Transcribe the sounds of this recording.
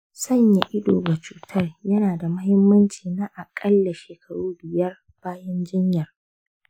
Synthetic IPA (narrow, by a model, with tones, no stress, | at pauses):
sɐ˦ɲja˨ʔɪ˦doː˨bɐ˨t͡ʃuː˦tʰɐ˦rjɐ˦naː˨da˨mɐ˦hɪ˦mːɐ˦nt͡ʃiː˨naː˦ʔa˨kʼɐ˦lːa˨ʃeː˨kɐ˨ɽuː˦bɪ˨jɐ˦r | b̥aː˦jɐ˦nd͡ʒɪ˦ɲjɐ˨r